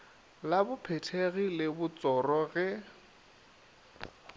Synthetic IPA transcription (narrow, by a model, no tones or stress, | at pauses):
labʊpʰɛtʰeɣilɪbʊt͡sʼɔrɔɣɛ